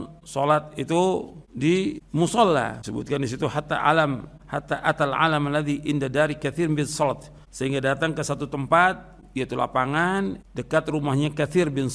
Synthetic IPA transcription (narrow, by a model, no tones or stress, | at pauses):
solat̪̚it̪udimusɑlːa̰səbṵt̪̚kandisit̪uɦat̪a̰ʔa̰lam | hat̪aʔat̪alʕa̰lamalaðiʔɪndadaɾikaθibɪnsɔlt̪ | səɦiŋɡadat̪aŋkəsat̪ut̪əmpat̪̚ | ijait̪ula̰paŋandəkat̪rumahɲakaθirbɪn